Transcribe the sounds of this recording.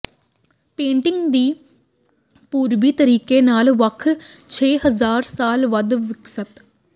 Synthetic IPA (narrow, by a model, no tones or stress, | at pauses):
pẽːɳʈɪŋɡd̪iː | puːɾʋit̪əɾiːkenaːlʋɐkʰt͡ʃʰeːɦəzaːɾsaːlʋɐd̪ʋɪksət̪